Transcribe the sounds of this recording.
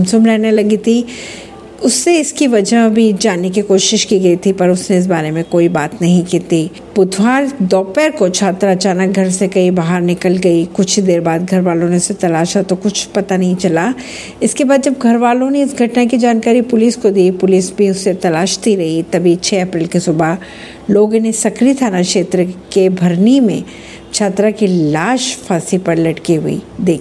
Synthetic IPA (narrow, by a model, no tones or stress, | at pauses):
msʊbɾɛːnelɐɡit̪ʰi | ʊsːeɪskiʋɐd͡ʒabʱid͡ʒaːnek̬ikoːʃɪʃkiɡɐit̪ʰipɐɾʊsneɪs̬baːɾemẽkoːibaːt̪nɐɦĩkiːt̪i | bʊt̪ʰwaːɾd̪ɔːpɛɾkot͡ʃʰaːt̪ɾɐt͡ʃaːnək̚ɡʱɐɾsekɐibaɦaɾnɪkəlɡɐikʊt͡ʃʰd̪eːɾbaːd̪̚ɡʱɐɾʋaːlõneʊset̪ɐlaːʃat̪okʊt͡ʃʰpɐt̪anɐɦĩt͡ʃɐla | ɪskebaːd̪d͡ʒɐbɡʱɐɾʋaːlõneɪsɡʱɐʈnakid͡ʒaːnkaːɾipʊlɪskod̪iːpʊlɪsbʱiʊsːet̪ɐlaːʃt̪iɾɐɦit̪ɐbʱit͡ʃʰɛːɐpɾɪːlkisʊba | loːɡnesɐkɾit̪ʰaːnakʃeːt̪ɾəkebʱɐɾnimḛ̃ | t͡ʃʰaːt̪ɾakilaːʃfʰaːsipɐɾlɐʈkiɦʊḭd̪eːkʰi